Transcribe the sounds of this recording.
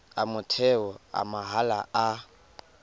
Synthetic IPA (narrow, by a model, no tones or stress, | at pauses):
amʊtʰɛɔa̰maɦala̰a